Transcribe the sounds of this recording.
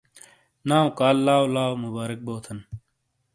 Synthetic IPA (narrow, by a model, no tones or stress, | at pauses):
naːũkaːlːaːwlaːwmubaːɾɪk̚boːt̪ʰɐn